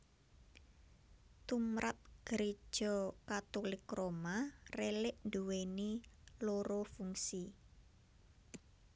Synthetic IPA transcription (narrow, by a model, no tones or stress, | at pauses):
t̪umɾʔat̪̚ɡ̥əɾe̥ʒ̥ɔkat̪olɪkromarelɪʔnd̪uweniloɾofuŋsi